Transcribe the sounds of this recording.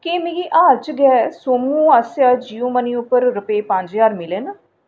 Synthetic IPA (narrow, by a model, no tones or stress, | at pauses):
keːmĩɡiːʔaːɾt͡ʃɡɛːsoːmũːasjaːd͡ʒiːõːmənĩːʊpːəɾɾʊpeːpãɲd͡ʒjaːɾmɪleːnə